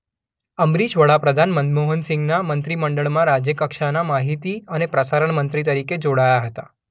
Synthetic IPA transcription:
əmɾiɕʋəɭapɾəd̪ʱanmənd̪moɦənsĩŋɡnamənt̪ɾiːməɳɖəɭmãɾad͡ʑjəkəkʂanamaɦit̪iːəñepɾəsaɾəɳmənt̪ɾit̪əɾiked͡zoɽajaɦət̪a

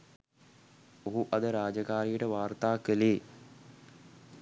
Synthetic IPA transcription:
oɦuʔɐd̪əɾaːd͡ʒəkaːɾijəʈəʋaːrt̪aːkəleː

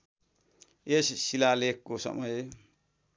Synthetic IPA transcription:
ʔessilalekːosʌ̰mʌj

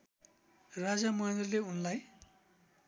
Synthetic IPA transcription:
rad͡zamʌjnd̪ʌleunlaj

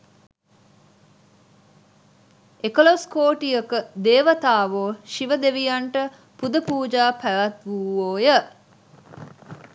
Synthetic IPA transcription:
ekəloskoːʈijəkəd̪eːʋət̪aːʋoːʃiʋəd̪eʋijaɳʈə | pud̪əpuːd͡ʒaːpæʋæt̪ʋuʋoːjə

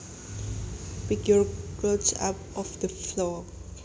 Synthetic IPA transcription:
pɪkjɔɹkosa̰pɔfd̪əflɔ

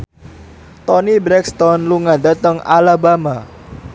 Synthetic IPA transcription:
t̪ɔnibɾɛkst̪ɔnluŋadat̪əŋa̰labama

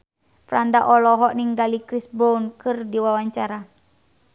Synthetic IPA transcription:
fɾandaʔɔlɔɦɔʔniŋɡalikɾisbɔnkɨrdiwawaɲt͡ʃaɾa

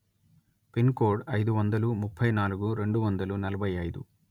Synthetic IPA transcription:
pinkoːɾɖɐjd̪uʋɐnd̪ɐlumupʰːɐjnaːluɡuɾe̞ɳɖuʋɐnd̪ɐlunɐlɐbʱɐjɐjd̪ṵ

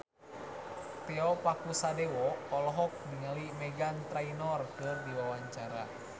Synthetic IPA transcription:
t̪ɛɔpakusadɛwɔɔlɔɦɔk̚niŋəlimɛɡant̪ɾainɔrkɨrdiwawaɲt͡ʃaɾa

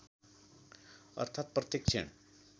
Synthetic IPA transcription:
ə̰ɾt̪ʰaːt̪̚pɾət̪ik̚t͡ʃʰḛɳ

